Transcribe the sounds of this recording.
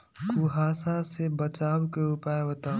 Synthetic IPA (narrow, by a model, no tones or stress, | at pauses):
kuɦaːsasebət͡ʃaːwkeupaːeɦot̪aː